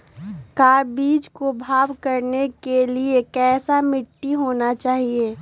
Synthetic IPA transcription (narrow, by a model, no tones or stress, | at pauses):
kaːɾbiːd͡ʒkobʱaːbkɐɾnekeliekɛːsamɪʈːiɦoːnat͡ʃaːɦieː